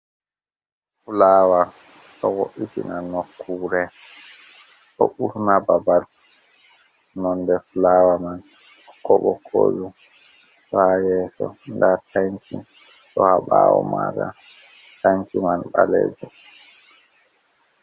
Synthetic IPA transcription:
fulaːwa | ɗɔwoʔitinanɔkʰːuːɾɛ | ɗɔ̰ʔuɾnababal | nɔndɛfulaːwaman | kːɔɓɔkʰoju | ajɛsɔndataɲt͡ʃi | ɗɔhaɓawɔ̰maka | taɲkimanɓaleːd͡ʒu

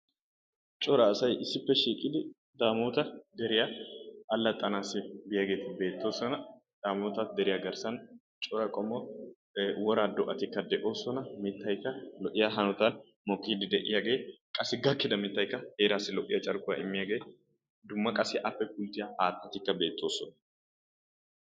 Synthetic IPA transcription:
t͡ʃʼɔɾɐːsɐjɪsːɪpːɛʃiːkʼɪd̪ɪ | d̪aːmoːt̪ɐd̪ɛɾɪjɐɐlːɐt̪ʼːɐnaːsɪbɪjaɡe̞ːt̪ɪbe̞ːt̪ːoːsɔnɐ | d̪̥aːmɔːt̪ɐt̪d̪ɛɾɪjɐɡɐɾsɐn | t͡ʃʼɔɾɐkʼɔmɔ | wɔɾaːd̪ɔʔɐt̪ɪkːɐd̪ɛʔo̞ːsɔnɐmɪt̪ːɐjkːɐlɔʔɪjaɦɐnɔt̪ɐn | mɔkʼːɪhd̪ɪd̪ɛʔɪjɐɡeːkʼɐsːɪɡɐkːɪd̪ɐmɪt̪ːɐjkːɐhe̞ːɾaːsːɪlɔʔɪjɐt͡ʃʼɐɾkʼʊɐ̰ʔɪmːɪjɐɡeːɪ | d̪ʊmːɐkʼɐsɪʔɐpːɛpʊlt̪ːɪjɐʔaːt̪ːɐt̪ɪkːɐbe̞ːt̪ːo̞ːsɔnɐ̥

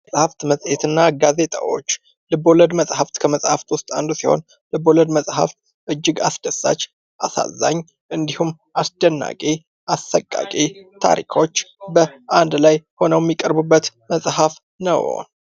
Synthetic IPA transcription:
sʼhaft̪məsʼhet̪ɨnːaɡaze̞t̪ʼa̰wo̞̰t͡ʃː | lɨbo̞ləd̪məsʼhaft̪kʰəməsʼhaft̪wʊst̪ʼa̰nd̪usiho̞̰n | lɨboləd̪məsʼha̰ft̪ | ʔɨd͡ʒːɪɡa̰sd̪əsːa̰t͡ʃː | ʔasa̰zːa̰ɲː | ʔɨnd̪ihum | ʔasd̪ənːa̰kʼe | ʔasːəkʼːa̰kʼit̪ʰa̰ɾḭkʰo̞t͡ʃːbəand̪lajho̞nəwjɛmːikʼəɾbubːət̪məsʼhaf | nə̰w

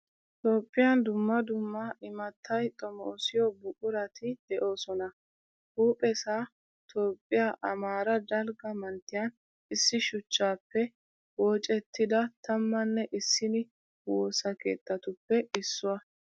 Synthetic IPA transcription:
t̪oːpʼːɪjɐnd̪ʊmːɐd̪ʊmːɐʔɪmɐt̪ʰːɐjt̪ʼɔmɔːsɪjɔbʊkʼʊɾɐt̪ɪd̪̥ɛʔo̞ːsɔnɐ | huːpʼɛsaː | t̪ʰo̞ːpʼːɪjaːʔɐmaːɾɐd̪ɐlɡɐmɐnt̪ːɪjɐn | ɪsːɪʃʊt͡ʃːaːpːɛ | woːt͡ʃʼɛt̪ːɪd̪ɐt̪ɐmːɐnːɛʔɪsːɪnɪ | woːsɐke̞̰ːt̪ʼːɐt̪ʊpːɛʔɪsːʊwɐ

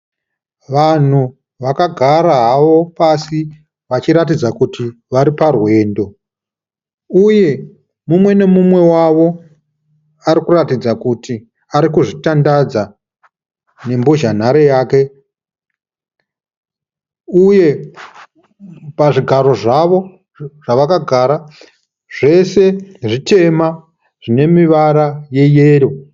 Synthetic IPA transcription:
ʋan̤u | ʋakaɡʱaɾaɦaʋo̞pasi | ʋat͡ʃiɾatid͡zakuti | ʋaɾiparwe̞ːndo̞ | uje̞ | mumwe̞ne̞mumwe̞waʋo̞ | aɾikuratid͡zakuti | aɾikuʐitandad͡za | ne̞mboʒan̤aɾe̞jaːke̞ | uje̞ | paʐiɡʱaɾo̞ʐaʋo̞ | ʐ̥aʋakaɡʱaɾa | ʐ̥e̞se̞ʐit͡ʃe̞ma | ʐ̥ine̞miʋaɾaje̞jeːɾo

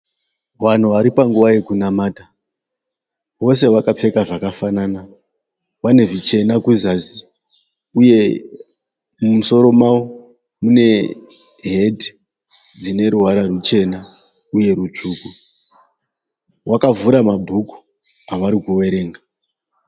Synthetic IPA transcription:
wan̤uʋaɾipaŋɡuʋaje̞kunamaːta | wo̞s̬e̞wakap͡fe̞kaʐakafanaːna | wane̞ʐit͡ʃe̞nakuzasi | uje̞ | munso̞ɾo̞mawo | mune̞ | ɦedʱ | d͡zine̞ɾuɦaɾarut͡ʃe̞na | uje̞ɾut͡ʂuːku | wakavuɾamabʱuku̥ | aʋaɾikuwe̞ɾe̞ːŋɡa

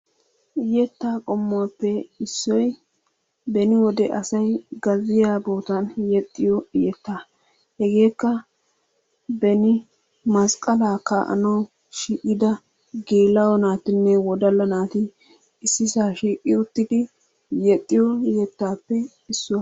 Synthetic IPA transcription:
ʔɪjɛt̪ːaːkʼɔmːʊwapːɛɪsːɔj | bɛnɪwɔd̪ɛʔɐsɐjɡɐzɪjaːbo̞ːt̪ɐnjɛt̪ʼːɪjɔɪjɛt̪ːaː | hɛɡe̞ːkːɐ | bɛnɪ | mɐskʼɐlaːkːɐ̰ʔɐ̰nɐw | ʃiːʔʼɪd̪ɐ | ɡeːlɐwɔnaːt̪ɪnːɛwɔd̪ɐlːɐnaːt̪ɪ | ɪsːɪsaːʃiːkʼːɪʊt̪ːɪd̪ɪ | jɛt̪ʼːɪjɔjɛt̪ːaːpːɛ | ɪsːʊwɐ

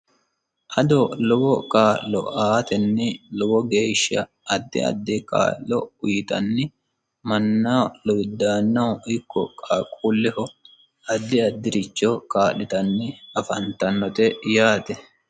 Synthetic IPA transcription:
ʔɐd̪ɔlɔbɔkʼaːlːɔ̰ʔaːt̪ɛnːɪlɔwɔɡeːʃːɐ | ɐd̪ːɪ̰ɐ̰d̪ːɛka̰ːʔːɔ̰ʊjɪt̪ɐ̰nːɪ | mɐnːɐlɔjd̪ːaːnːɐwɪkːɔkʼaːkʼuːlːɛhɔ | ɐd̪ːɪɐd̪ːɪɾɪt͡ʃːɔkaːlːɪt̪ɐnːɪɐfɐnt̪ɐnːɔt̪ɛjaːt̪ɛ

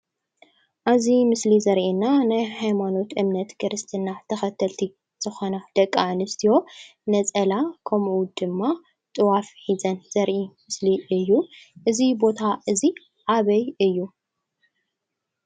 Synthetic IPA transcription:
ʔazimɨslizɐɾʔinːanajhajmano̞t̪ʔɨmnɐt̪kʰɨɾɨst̪ʰinat̪ʰɐxɐt̪ʰɐlt̪ʰi | z̥ɨxo̞nad̪̥ɐkʼːaʕnɨst̪ʰijo̞nɐt͡sʼɐlakʰɐmʔud̪ɨmːa | t̪ʼɨwafħizɐnz̥ɐɾʔimɨsliʔɨjːuʔɨzibo̞t̪ʰaʔɨzi | ʕaβɐjɨjːu

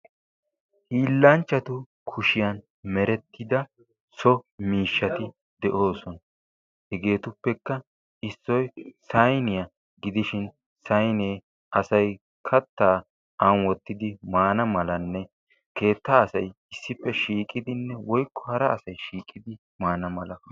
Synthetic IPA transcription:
hiːlːɐnt͡ʃːɐt̪ʊ | kʰʊʃɪjɐn | mɛɾɛt̪ʰːɪd̪ɐ | sɔmiːʃːɐt̪ɪ | d̪ɛʔo̞ːsɔnɐ | hɛɡe̞ːt̪ʊpːɛkːɐ | ɪsːɔjsɐjnɪjɐ | ɡɪd̪ɪʃɪn | sɐjneː | ɐsɐj | kʰɐt̪ːaː | ʔɐnwɔt̪ːɪd̪ɪmaːnɐmɐlɐnːɛ | ke̞ːt̪ːaːsɐjɪsːɪpːɛʃiːkʼɪd̪ɪnːɛwɔjkːɔ̥hɐɾɐːsɐjʃiːkʼːɪd̪ɪ | maːnɐmɐlɐ

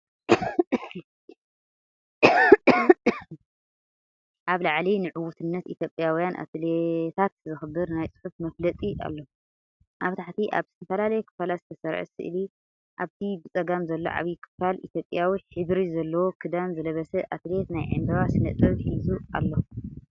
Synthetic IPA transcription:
ʔaβlaʕlinɨʕuwut̪ʰɨnːɐt̪it̪ʰjo̞pʼjawijanʔa̰t̪let̪ʰat̪̚zɨxɨbɨɾnajt͡sʼɨ̥ħufmɐflɐt͡s̪ʼiʔa̰lːo | ʔaβt̪ʰaħt̪ʰiʔa̰βzɨt̪ʰɐfɐlalɐjɛkʰɨ̥falazɨt̪ʰɐsɐɾʕ̰sɨ̰ʔɨli | ʔaβt̪ʰibɨt͡sʼɐɡamzɐlːo̰ʕa̰βjikʰɨ̥falḭt̪ʰjo̞pʼjawiħɨβɾizɐlːɐwokʰɨd̪anzɨlɐβɐsɛʔat̪ʰɨlet̪najʕɨ̰nd̪ɐβasɨnɐ̰t͡s̪ʼɐβħizua̰lːo

